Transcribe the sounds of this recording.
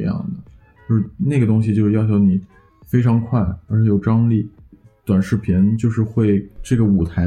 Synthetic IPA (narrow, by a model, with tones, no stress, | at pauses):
jɑ̰˥˩ŋd̪ə˩ | t͡ɕjo˥˧ʊʂɻ̩˥˩ne˥˩ɡə˩t̪̬ʊ˥ŋɕ̬i˨t͡ɕjo˥˧ʊ˧jɑ˥ʊt͡ɕʰo˧˥ʊni˨˩ | fe˥ɪʈ͡ʂʰɑ˧˥ŋkʰwa˥˩nə˞˧˥ʂɛ˥˩jo˨˩ʊʈ͡ʂɑ˥ŋli˥˩t̪wa˨˩nʂɻ̩˥˩pʰi˧˥nt͡ɕjo˥˧ʊʂɻ̩˥˧xwe˥˧ɪʈ͡ʂɤ˥˩ɡə˩u˨˩t̪ʰa˧˥ɪ